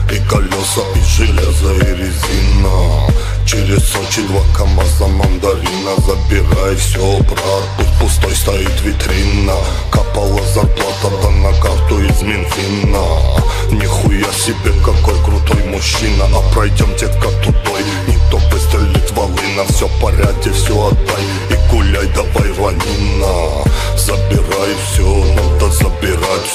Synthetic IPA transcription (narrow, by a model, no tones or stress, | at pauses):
ikɐlʲosɐʔiʒɨlʲezɐiɾʲɪzʲinːɐ | t͡ʃɛɾʲɪssɔt͡ʃɪd̪vakɐmazɐmɐnd̪ɐɾʲinɐzɐbʲɪɾajfsʲɔbɾat̪̚pʊt̪̚ʲpʊst̪ɔjst̪ɐit̪vʲɪt̪ɾʲinːɐ | kɐpalˠɐzɐplˠat̪ɐt̪ɐnɐkart̪ʊɪzmʲɪnzʲinːɐ | nʲɪxʊjasʲɪbʲekɐkojkɾʊt̪ojmʊɕːinɐʔɐpɾɐjt̪ʲemtʲet̪kak̚t̪ʊd̪oj | nʲɪkt̪ok̪əsʲt̪ʲelʲɪt̪vɐlˠɨnɐfsʲopɐɾʲat̪ʲːɛfsʲoɐd̪aj | iɡʊlʲajd̪ɐvajvɐnʲinːɐzɐbʲɪɾajfsʲonɔd̪ɐzɐbʲɪɾatʲ